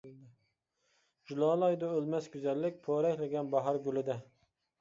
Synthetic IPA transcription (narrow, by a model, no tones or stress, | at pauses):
d͡ʒulˠɑːlˠɑjd̪ɑølˠmɛsɡʲyzɛlːɪk̚ʲpʰoɾɛkʲlɪɡʲɛnbɑɦɑɾɡʲylɪd̪ɛ